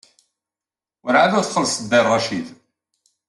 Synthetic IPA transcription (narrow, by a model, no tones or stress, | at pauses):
wəɾʕaðʊθχəlːsˤd̪ːærˤːɑʃid̪